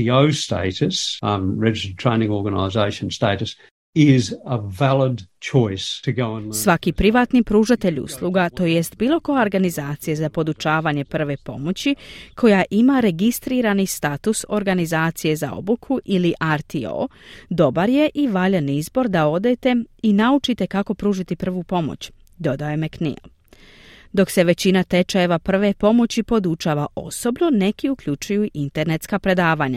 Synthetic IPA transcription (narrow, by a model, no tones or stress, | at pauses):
ioʊstḛɪɾɨsɹɛd͡ʒɪstətʰɹ̥ḛ̃ɪ̃nɪ̃ŋɔɹɡənə̰ɪzeɪʃɨ̃n̩steɪɾɨs | ɪzəvælˠəd̚t͡ʃʰɔɪstʰɨɡoʊə̃nsʋakipɾiʋaːt̪nipɾuːʒat̪e̞ʎṵslˠuɡat̪o̞jest̪biːlˠo̞ko̞jaoɾɡanizaːt̪sijezapo̞d̪ut͡ʃaːʋaɲe̞pr̩ʋe̞po̞̰mo̞t͡ɕikʰo̞jaʔimaɾe̞ɡist̪ɾiːɾanist̪at̪uso̞ɾɡanizaːt̪sije̞za̰o̞̰bukʰuʔiliʔaɾt̪io̰d̪o̞baɾje̞ʔiʋaʎeniizbo̞ɾd̪ao̞d̪et̪e̞inaut͡ʃit̪e̞kako̞pɾuːʒit̪ipr̩ʋupo̞mo̰t͡ɕ | d̪o̞d̪ajemeknḭo̰ | d̪o̞kse̞ʋe̞t͡ɕinat̪e̞t͡ʃaje̞ʋapr̩ʋe̞po̞mo̞t͡ɕipo̞d̪ut͡ʃaːʋaʔo̞̰so̞bno̞ne̞kiukʎut͡ʃujuʔint̪e̞ɾne̞t̪skapɾe̞d̪aːʋaɲa̰